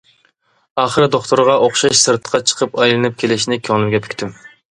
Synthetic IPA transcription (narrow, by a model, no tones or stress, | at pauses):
ɑːχəɾɨd̪oχt̪oɾʁɑʔoχʃɑʃsɨɾt̪ʰə̥qʰɑt͡ʃʰə̥qʰəpɑjlˠɨnɨp̚kʲʰelɪʃnɪkʲʰoŋlˠɨmɡʲɛpʰy̥kʲt̪ʰym